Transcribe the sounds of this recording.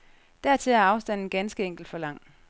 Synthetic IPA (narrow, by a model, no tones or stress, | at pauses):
d̥æɐt͡sʰe̝æɐɑ̈ʊsd̥æn̰n̩ɡ̥ænsɡ̥əeŋ̰ɡ̥l̩d̥fɒ̽lɑ̈ŋ̰